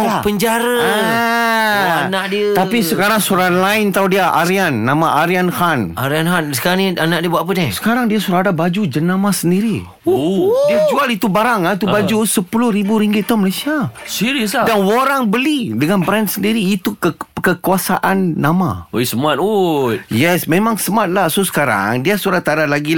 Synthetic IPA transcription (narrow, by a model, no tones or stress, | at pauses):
apəɲd͡ʒaɾəa | anãʔdiət̪apisəkaɾaŋsuɾanlaɪnt̪audiaʔaɾianːãmaʔaɾianhanaɾianɦansə̥kaɾaŋnianaʔ̚diəbuaʔpənɪsə̥kaɾaŋdiasuɾaɦadabad͡ʒud͡ʒənamasəndiɾi | diad͡ʒualit̪ubaɾaŋait̪ubad͡ʒusəpulʊhɾibuɾiŋɡɪt̪̚ːɔməlasiasiɾəsdanwoɾaŋbəlidəŋanbɾɛnsəndiɾiːt̪ukəkəkuasaʔanːama̰oisəmat̪̚otjɛsmẽmãŋsəmat̪̚lasosə̥kaɾa̰ŋdiasuɾat̪ːadalaɡi